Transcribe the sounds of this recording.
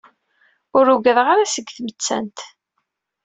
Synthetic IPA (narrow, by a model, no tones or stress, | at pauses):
ʊɾuɡəðʁaɾasəɡːθmət͡sːæ̰nt̪